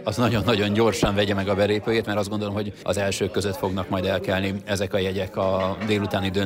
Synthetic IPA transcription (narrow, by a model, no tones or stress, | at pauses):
ɒznɒɟo̞nːɒɟo̞ɲɟo̞rʃɒɱvɛɟɛmɛɡɒbɛleːpøːjeːt̪mɛɾɒzd̪ɡo̞nd̪olo̞mɦo̞ɟɒ̰zɛlʃøːkːøzøt̪fo̞ɡnɒkmɒjd̪ɛlkɛlniɛzɛkɒjɛɟɛkɒd̪eːlut̪aːnid̪ø